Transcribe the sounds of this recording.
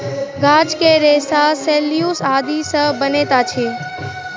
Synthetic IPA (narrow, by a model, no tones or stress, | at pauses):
ɡaːd͡ʒkeɾeːsaseːlijusaːd̪isə̃bəneːt̪at͡ʃʰeː